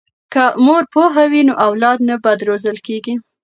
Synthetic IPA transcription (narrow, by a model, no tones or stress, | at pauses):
kamoɾpoɦawinoʔawlɑd̪nabad̪ɾozəlkeɡi